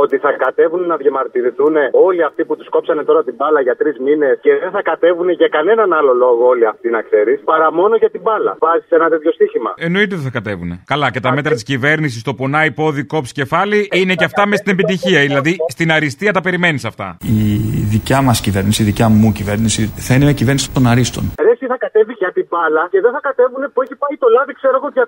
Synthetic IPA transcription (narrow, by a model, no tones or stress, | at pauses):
o̞t̪iθɐkɐt̪e̞vunnɐðʝɐmɐɾt̪iɾiθune̞o̞liɐft̪iput̪usko̞psɐne̞t̪o̞ɾɐt̪ibɐlɐʝɐt̪ɾizmine̞sce̞ðenθɐkɐt̪e̞vune̞ʝɐkɐne̞nɐnɐlo̞lo̞ɣooliɐft̪inɐkse̞ɾispɐɾɐmo̞noʝɐt̪ibɐlɐ̰vɐziseenɐt̪et̪ço̞st̪içimɐ̰eno̞it̪eðeθɐkɐt̪e̞vune̞̰kɐlɐce̞t̪ɐme̞t̪ɾɐt̪iscive̞ɾnis̬ist̪o̞po̞nɐipo̞ðiko̞psce̞fɐliine̞ceɐft̪ɐmest̪ine̞pit̪içiɐðilɐðist̪inɐɾist̪iɐt̪ɐpe̞ɾime̞nisɐft̪ɐ̰iðicɐmɐscive̞ɾnisiðicɐmucive̞ɾnisiθɐinemɐcivnisi̥t̪onɐɾist̪o̞̰nɾesiθɐkɐt̪e̞viʝɐt̪ibɐlɐce̞ðeθɐkɐt̪e̞vune̞pueçipɐit̪o̞lɐðikse̞ɾoɣoʝɐ